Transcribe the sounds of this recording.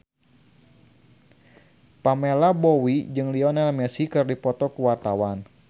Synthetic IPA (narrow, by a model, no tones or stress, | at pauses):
pamɛlabɔwid͡ʒɨŋliɔnalmɛsikɨrdipɔt̪ɔkuwart̪awan